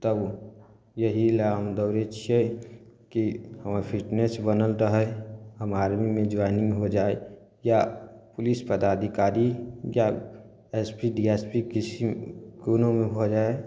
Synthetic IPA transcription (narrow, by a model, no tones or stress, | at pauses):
t̪əb | jəɦilaːmd̪əʊɾet͡ʃʰie | kihəmapʰɪʈnesbənəlɾəɦɛɦəmaːɾmimẽd͡ʒʋaːniɦod͡ʒaːe | japʊlispəd̪aːd̪ʱikaːɾija | ɛspiɖieːspikɪsiɡunõmẽbʱod͡ʒaːe